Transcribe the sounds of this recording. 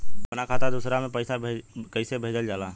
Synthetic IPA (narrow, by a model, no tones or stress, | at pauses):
bbənakʰat̪ad̪usɾamẽpəɪsabkəɪsebʱeːd͡ʒəld͡ʒaːla